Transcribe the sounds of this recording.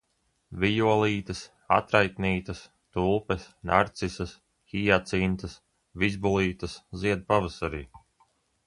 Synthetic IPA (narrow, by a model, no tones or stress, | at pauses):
vijuɔlˠiːt̪ɐs | a̰t̪ɾajt̪niːt̪ɐs | t̪ulˠpɛsnʔaɾt̪sisɐs | xijat̪sint̪ɐs | vizbulˠiːt̪ɐsziɛd̪̚pavasaɾḭː